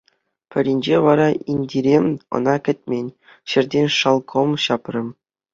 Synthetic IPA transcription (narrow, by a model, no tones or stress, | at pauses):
pʲɘ̆ɾʲinʲd͡ʑeʋɑɾɑinʲdʲiɾʲemɤ̰̆nɑkʲɘ̆t̚ʲmʲenʲ | ɕɘ̆rʲdʲenʲʂɑlˠkʰomɕɑprʲɘ̆